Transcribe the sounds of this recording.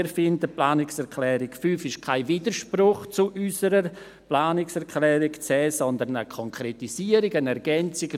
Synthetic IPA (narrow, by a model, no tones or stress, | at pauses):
ɾfɪndəplaːnɪksɛɾkʰlɛːɾɪkfyːfɪʃkʰaɪviːdəɾʃprʊχt͡suʔysəɾə | plaːnɪksɛɾkʰlɛːɾɪɡt͡sɛːsɔndəɾnə̰kʰɔŋkʰɾɛtisiːəɾiɡənɛɾɡ̥ɛnt͡sɪɡ